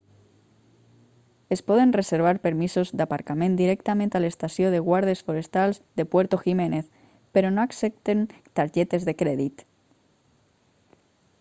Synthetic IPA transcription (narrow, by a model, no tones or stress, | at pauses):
espoðenreseɾβ̞aɾpeɾmisozðeapaɾkamẽnd̪iɾekt̪amẽnt̪ealest̪asjoð̞eɣwaɾð̞esfoɾest̪alzðepweɾt̪oximeneθ | peɾonoaksep̚t̪ent̪aɾʎet̪ezðekɾeðit̪